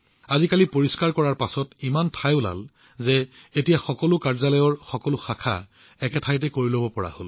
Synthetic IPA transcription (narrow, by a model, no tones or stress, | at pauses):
azikalipoɹiskaɹkɔɹaɹpasɔtimantʰajʊla̰l | zɛetijaxɔkɔlʊkaɹzalɔjɔɹxɔkɔlʊxakʰa̰ | ɛkɛtʰajt̬ɛkoɹilobɔpɔɹa̰hol